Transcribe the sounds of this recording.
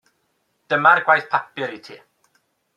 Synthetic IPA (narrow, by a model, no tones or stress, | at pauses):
d̥əmarɡwajθpʰapɪɾitʰiː